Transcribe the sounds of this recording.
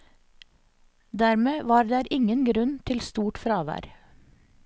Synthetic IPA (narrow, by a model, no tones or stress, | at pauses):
d̪æːɾmeːʋɑːɾd̪æːɾʔɪŋənɡɾʉnt̪ʰɪlst̪uːʈfɾɑːʋæ̰ːɾ